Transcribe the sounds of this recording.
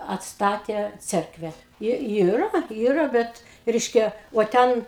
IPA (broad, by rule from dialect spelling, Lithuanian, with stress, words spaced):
ɐtsˈtɑːtʲeː ˈt͡sʲɛrkʋʲɛ ˈjɪ ˈiːrɐ ˈiːrɐ ˈbʲɛt ˈrʲɛɪʃʲkʲɛ uɔ ˈtʲɛn